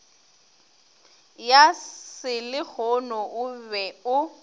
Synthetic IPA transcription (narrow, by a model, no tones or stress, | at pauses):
jasɪlɪk͡xʰɔnɔʔʊbɛʊ